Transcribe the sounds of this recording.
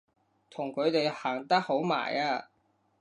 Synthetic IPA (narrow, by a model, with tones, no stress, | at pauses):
t̪ʰʊ˨˩ŋkʰɵ˨˧ɥt̪e˨jhaː˨˩ŋt̪ɐ˥k̚ho˨˥wma̰ː˨˩jaː˧